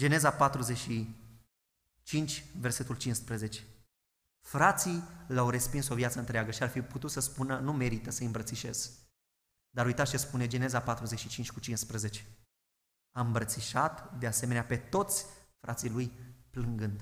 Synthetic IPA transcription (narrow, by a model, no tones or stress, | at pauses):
d͡ʒe̞ne̞zapat̪ɾuzeʃi | t͡ʃint͡ʃʲverse̞t̪ult͡ʃinspɾəze̞t͡ʃe̥ | fɾat̪silawɾe̞spinso̞vjat̪səɨnt̪ɾeaɡəʃiarfiput̪ut̪səspunənume̞ɾit̪əsəɨmbɾət̪siʃe̞z̥ | d̪aɾujt̪aʃispune̞d͡ʒe̞ne̞zapat̪ɾuze̞ʃit͡ʃint͡ʃʲkut͡ʃinspɾəze̞t͡ʃe | aɨmbɾət̪siʃat̪d̪ease̞meneape̞t̪o̞t̪sʲfɾʔat̪sijlujplɨŋɡɨnd̪